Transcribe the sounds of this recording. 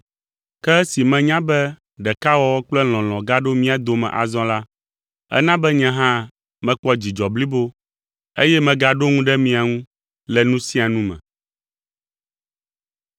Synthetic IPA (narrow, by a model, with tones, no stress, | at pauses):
kɛ˦si˨mɛ̃˨ɲã˦bɛ˦ | ɖɛ˨ka˦wɔ˦wɔ˦k͡plɛ˦l̃ɔ̃˨l̃ɔ̃˨ɡa˦ɖo˦mĩ˦a˨d̪o˨mɛ̰̃˨ʔa̰˨zɔ̃˦la˦ | ɛ̰˦nã˦bɛ˦ɲɛ̃˦ɦã˦ | mɛ̃˨k͡pɔ˦d͡ʑi˨d͡ʒɔ˨bli˦bo˦ | e˦jɛ˦mɛ̃˨ɡa˨ɖo˦ŋũ˦ɖɛ˦mĩ˨a˨ŋũ˦ | lɛ˨nũ˦sĩ˦a˨nũ˦mɛ̰̃˨